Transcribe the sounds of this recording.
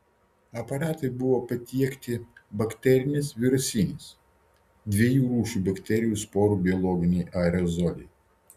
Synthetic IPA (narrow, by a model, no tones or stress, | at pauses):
ɐpɐɾɑːt̪ɐɪbʊʋoːpɐt̪ʲiɛkt̪ʲɪbɐkʲt̪ʲɛɾʲɪnʲɪsʋʲɪɾʊsʲɪnʲɪs | d̪ʲʋʲiɛjuːɾuːʃuːbɐkʲt̪ʲɛɾʲɪjuːˑspoːɾuːbʲɪɔlˠɔːɡʲɪnʲɛɪʔɐɾʲɛzɔlʲɛɪ